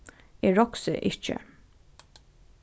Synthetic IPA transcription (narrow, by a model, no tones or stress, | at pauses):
eːɹɔksə̰ʔɪt͡ʃə̰